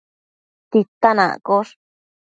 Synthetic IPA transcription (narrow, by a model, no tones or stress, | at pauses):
t̪it̪anã̰koʂ